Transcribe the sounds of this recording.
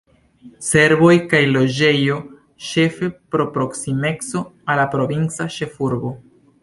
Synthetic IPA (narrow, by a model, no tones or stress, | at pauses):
se̞ɾbo̞jkajlo̞d͡ʒe̞jo̞ | ʃe̞fe̞pɾo̞pɾo̞ksime̞kso̞alapɾo̞vint͡saʃe̞fuɾbo̞